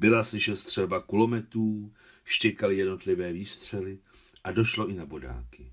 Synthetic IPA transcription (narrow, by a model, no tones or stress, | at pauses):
bɪlasɪʃɛst̪r̝̥ɛlbakulo̞mɛt̪ɾuː | ʃcɛkalɪjɛdno̞t̪lɪvɛːviːst̪r̝̥ɛlɪ | ʔado̞ʃlo̞ɪnabo̞da̰ːkɪ